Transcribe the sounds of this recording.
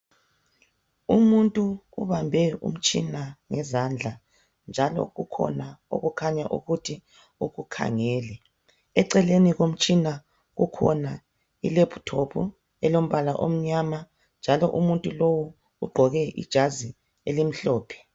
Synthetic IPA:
umuntʼuuβambʱɛṵm̩t͡ʃʼinaŋɛzand͡ɮʱa | nd͡ʒʱalɔ̰ɣukʰɔ̰nao̰ɣukʰaɲaʔṵɣutʰi | uɣukʰa̰ŋɛːlɛ | ɛǀɛleniɣom̩t͡ʃʼina | ɣukʰɔ̰na | ilepʰu̥tʰopʰṵ | ɛlom̩βalaʔom̩ɲama | nd͡ʒʱalɔ̰ʔumuntʼulowu | uɡ͡ǃʱɔɣɛʔḭd̥ʒ̥ʱazi | elim̩ɬɔːpʰɛ̥

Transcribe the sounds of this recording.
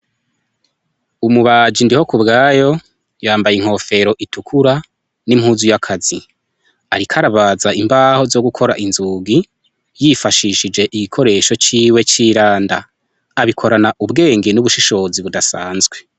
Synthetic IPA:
umuβad͡ʒindiho̞kubɡaːjo̞ | jaːmbajiŋ̥ho̞fe̞ɾo̞ʔitukʰuɾa | nimhuːzujakʰazi | aɾikʰaɾaβazaimbaːho̞zo̞ɡukʰo̞ɾaʔinzuɡi | jifaʃiʃid͡ʒe̞ʔiɡikʰo̞ɾe̞ːʃo̞t͡ʃiːwe̞t͡ʃiːɾaːndaː | βikʰo̞ɾanaʔubɡe̞ːŋɡenuβuʃiʃo̞ziβudasaːnzɡwe̞

